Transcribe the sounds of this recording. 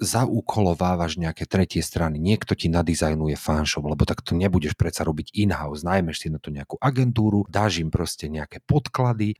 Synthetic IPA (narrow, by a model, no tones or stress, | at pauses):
zaʔuːkʰɔlɔʋaːʋaʒɲɛakɛt̪ɾɛcɪɛst̪ɾaniɲɪɛkt̪ɔcinad̪izajnujɛfanʃɔblɛbɔt̪akt̪ɔɲɛbuɟɛʃpɾɛt̪saɾɔbiɟinɦaʊznajmɛʃsinat̪ɔɲɛakuʔaɡɛnt̪uːɾud̪aːʒimpɾɔscɛɲɛakɛpɔt̪klad̪i